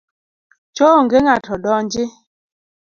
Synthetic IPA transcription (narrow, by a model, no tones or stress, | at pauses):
t͡ʃoŋɡeŋatʰɔɗɔnd͡ʒi